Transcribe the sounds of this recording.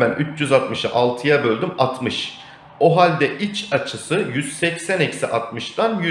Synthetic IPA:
bænyt͡ʃʰjyzat̪mɯʃaʔalˠt̪ʰɯjabø̞lʲd̪ymat̪mɯʃ | o̞ɦalʲd̪ɛʔit͡ʃat͡ʃʰɯsɯjyz̥sɛcsænɛcsiʔat̪mɯʃd̪anjy

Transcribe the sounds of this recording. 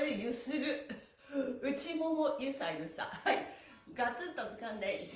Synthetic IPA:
ɾɯjɯsɨɾɯ | ɯt͡ɕimomojɯsaid̪ɯsa̰hai | ɡat͡sɨt̪ot͡sɨkãnd̪ai

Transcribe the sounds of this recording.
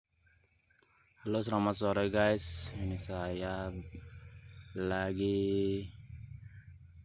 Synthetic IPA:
alosɾamat̪sɔɾɛɡajsinisaja | laɡi

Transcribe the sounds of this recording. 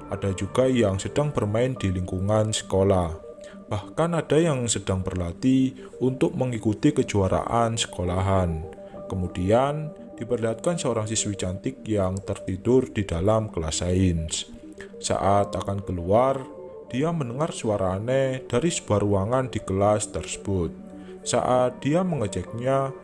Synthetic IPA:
ʔad̥ad͡ʒuɡ̥ajaŋsəd̥aŋpərmaɪnd̪̥iliŋkuŋansə̥kolah | b̥ahkanad̥a̤jaŋsəd̥aŋbərlat̪i | unt̪ʊk̚məŋikut̪ikəd͡ʒuaɾa̰ʔansə̥kolaɦan | kəmud̥ian | d̥ipərliɦat̪̚kansəoɾaŋsiswit͡ʃant̪ɪk̚jaŋt̪ərt̪id̥ʊrd̥id̥alamkəlasaɪns | sa̰ʔat̪akankəluar | d̥iamənəŋarsuaɾʔaned̥aɾisə̥b̥aɾuwaŋandikəlast̪ərsə̥b̥ʊt̪̚ | sa̰ʔat̪̚d̪̥iaməŋət͡ʃɛk̚ɲa

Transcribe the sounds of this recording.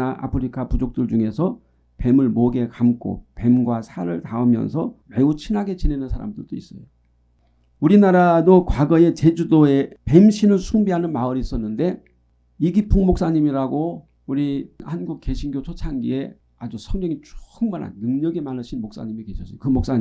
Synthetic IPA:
aʔa̰pʰɯɾikʰapud͡ʑok̚t͈ɯɭd͡ʑuŋe̞sʰʌ | pe̞mɯɭmoɡe̞kamkʰo̰pe̞mɡwasʰaɾɯɭtaɯmjʌ̰nsʰʌme̞ut͡ɕʰinɦaɡe̞t͡ɕinenɯnsʰaɾa̰mdɯɭd̥ois͈ʌjo | uɾinaɾadokwaɡʌe̞t͡ɕe̞d͡ʑudoe̞pe̞mɕʰinɯɭsʰuŋbiɦanɯnmaɯɾiːs͈ʌnːɯnde̞ | iɡipʰuŋmok̚s͈aɲimiɾaɡo | uɾihanɡuk̚k͈e̞ɕʰinɡjot͡ɕʰot͡ɕʰaŋɡie̞ | ad͡ʑusʰʌŋɡeŋit͡ɕo̥ɯŋmana̰nːɯŋɲʌɡemanɯɕʰinmok̚s͈a̰ɲimike̞ɕʰʌs͈ʌokɯmok̚s͈aɲ

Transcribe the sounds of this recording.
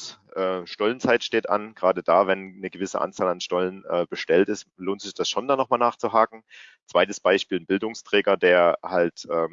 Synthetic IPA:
ʔɛːʃtɔlənt͡saɪtʃteːtʔa̰nɡ̥ʁaːdəd̥aːvɛnnəɡəvɪsə̰ʔa̰nt͡saːlanʃtɔlənʔɛːb̥əʃtɛltɪstloːntz̥ɪçd̥asʃoːndanɔχmaːlnaːχt͡suɦaːkŋ̩t͡sv̥aɪtəsb̥aɪʃpiːlnbɪldʊŋstʁ̥ɛːɡɐdeːɐhaltʔɛː

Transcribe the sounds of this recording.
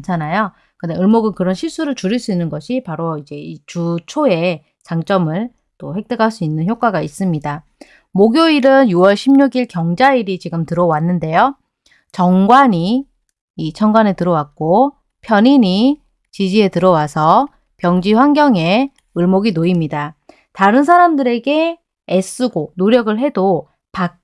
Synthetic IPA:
t͡ɕʰanajo | kɯndeɯɭmoɡɯnkɯɾʌnɕʰiɭs͈uɾɯɭt͡ɕuɾiɭs͈uinːɯnɡʌɕʰipaɾoid͡ʑe̞it͡ɕut͡ɕʰoe̞ | t͡ɕaŋt͡ɕ͈ʌmɯɭ | t͈oɸwe̞k̚t͈eɡaɭs͈uinːɯnçjok͈aɡais͈ɯmɲida | moɡjoiɾɯnjuwʌɭɕʰimɲuɡiɭkjʌŋd͡ʑaiɾit͡ɕiɡɯmtɯɾʌwanːɯnde̞jo | t͡ɕʌŋɡwaɲiː | t͡ɕʰʌŋɡwanetɯɾʌwak̚k͈o | pʰjʌɲiɲi | t͡ɕid͡ʑie̞tɯɾʌwasʰʌ | pjʌŋd͡ʑiɸwaŋɡjʌŋe̞ | ɯɭmoɡinoimɲida | taɾɯnsʰaɾamdɯɾe̞ɡe̞ | es͈uɡonoɾjʌɡɯɭɦe̞do | pak̚

